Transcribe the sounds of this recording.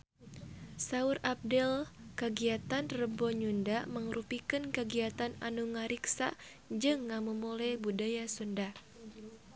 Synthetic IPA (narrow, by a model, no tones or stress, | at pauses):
saurap̚dɛlkəɡiat̪anrəbɔɲundaməŋɾupikɨnkəɡiat̪ana̰nuŋaɾiksa̰ʔ | d͡ʒɨŋːamumulɛbudajasunda